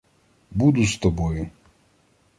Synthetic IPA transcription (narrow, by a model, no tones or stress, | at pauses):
bud̪ʊst̪ɔbɔjʊ